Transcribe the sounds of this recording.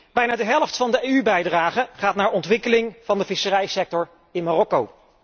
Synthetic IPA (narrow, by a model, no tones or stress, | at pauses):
b̥ɛjnaːdəɦɛlˠftfɑndəejybɛjdraːχəχaːtnaːɹɔntʋɪkəlɪŋvɑndəvɪsərɛjsɛk̚tɔɹ | ɪnmarɔkow